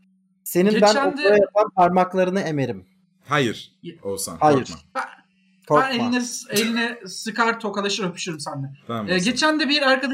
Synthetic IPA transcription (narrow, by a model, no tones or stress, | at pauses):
se̞ninbænod̪aɾajapʰanpʰaɾmaklˠaɾɯnɯe̞me̞ɾim | hajiɾ̥osa̰nhajɾb̪ | kʰoænenɛelʲinɛsɯkaɾt̪ʰo̞kalˠaʃɯɾapʰy̥ʃyɾumsænd̪ɛːɟe̞t͡ʃʰænd̪ɛbiɾaɾkad̪